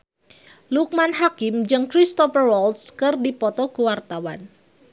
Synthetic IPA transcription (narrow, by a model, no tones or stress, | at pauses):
luk̚manɦakɪmd͡ʒɨŋkɾist̪ɔfərwɔlt̪skɨrdipɔt̪ɔɡuwart̪awa̰n